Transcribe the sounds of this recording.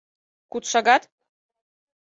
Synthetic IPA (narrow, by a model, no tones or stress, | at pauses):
kut̪ʃɑɣɑt̪